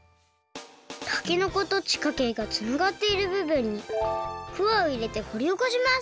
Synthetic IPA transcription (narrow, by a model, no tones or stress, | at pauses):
t̪ʰḁkʲino̞ko̞t̪o̞t͡ɕi̥kake̞ɡat͡sɨnaɡat̪ːe̞iɾɯ̟bɯ̟bɯ̟̃ɲ̟ːiɸɯ̟βaoiɾe̞t̪e̞ho̞ɾʲioko̞ɕima